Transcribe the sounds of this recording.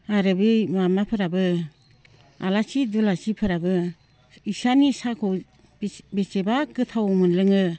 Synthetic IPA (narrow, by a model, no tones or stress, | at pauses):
aɾɯbɯmamapʰɯɾabɯ | a̰lasidulasipʰɯɾabɯ | isanisakʰɔw | besebakɯtʰawmɯnlɯŋɯ